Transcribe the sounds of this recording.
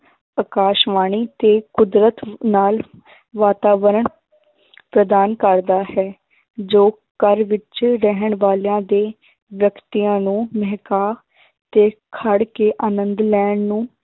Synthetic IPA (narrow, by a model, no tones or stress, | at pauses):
əkaːʃʋaːɳiːt̪eːkʊd̪ɾət̪naːl | ʋaːt̪aːʋəɾəɳ | pɾəd̪aːnkəɾd̪aːhɛː | d͡ʒoː | kəɾʋɪt͡ʃɾɛɦəɳʋaːljãːd̪eː | ʋjəkt̪ijãːnũːmɛɦkaː | t̪eːkʰəɽkeːʔaːnənd̪lɛːɳnũː